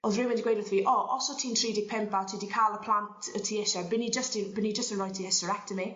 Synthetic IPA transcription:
ɔðrɪwɛndiɡwejdəθviːʔɔʔɔsɔtʰiːntʰriːdɪɡ̚pʰɛmpatʰiːdikʰalˠəpʰl̥ˠantʰətʰiːɪʃabɪnid͡ʒəstibɪnid͡ʒəstə̃nrɔjtʰihɛstəɹɛk̚təmi

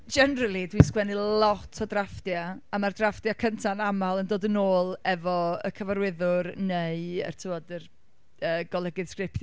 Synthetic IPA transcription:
d͡ʒɛnɾəlˠidwiskwɛnilɔtʰɔdrafdjaamardrafd̥jakʰəntʰanamalˠəndoːdənoːlˠɛvɔə̰kʰəvaɾwɪðʊrneɨə̰rtʰɪvɔdər | əːɡ̥ɔlˠɛɡɪð̥skrɪpʰθj

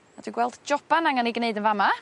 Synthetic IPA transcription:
ad̥wiɡwɛlˠd̥d͡ʒɔb̥anaŋaniɡneɨdənvama

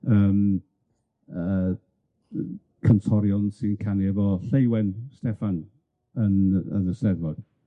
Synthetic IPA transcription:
əːm | ə | kʰəntʰɔɾjɔnsinkʰaniɛvɔɬejwɛnstɛfan | ənə̰nəstɛðmɔd̥

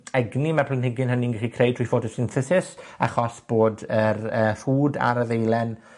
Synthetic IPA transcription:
ɛɡnimɛpʰlənhɪɡɨnhɦəninɡɪχikʰrejd̚tʰwijfoːdəsɪnθɪθɪsa̰χɔsb̥oːdərəːfuːda̰ɾəðejlɛn

